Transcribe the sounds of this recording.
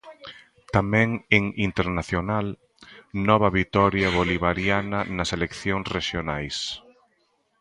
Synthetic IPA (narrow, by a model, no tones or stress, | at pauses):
t̪amɛ̃ŋeŋint̪eɾnaθjonal | nɔβɐβit̪ɔɾjaβoliβ̞aɾjanɐnɐselekθjoŋsreʃjonajs